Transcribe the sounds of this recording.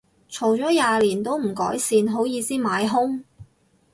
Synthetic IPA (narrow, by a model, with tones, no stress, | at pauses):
t͡ʃʰo˨˩wt͡ʃɔː˨˥jaː˨liː˨˩nt̪o˥wm̩˨˩kɔ̰ː˨˥jsiː˧nɦo˨˥wjiː˨˧siː˥maː˨˥jɦʊ˥ŋ